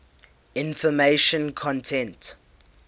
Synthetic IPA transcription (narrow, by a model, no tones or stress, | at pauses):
ɪ̃nfɔmeʃə̃nkʰɔ̃ntʰɛ̃nt